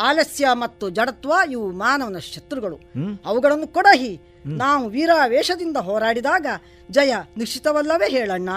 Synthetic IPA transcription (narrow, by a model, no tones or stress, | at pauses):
aːlɐsjɐmɐt̪ːud͡ʒɐɽɐt̪ʋaːiʋumaːnɐʋɐnɐʃɐt̪ɾuɡɐɭṵɐʋuɡɐɭɐnːukɔɽɐɦi | naːʋuʋiːɾaːʋɛːʂɐd̪ind̪ɐɦɔːɾaːɽid̪aːɡɐ | d͡ʒɐjɐniʂit̪ɐʋɐlːɐʋeːɦɛːɭɐɳːɐ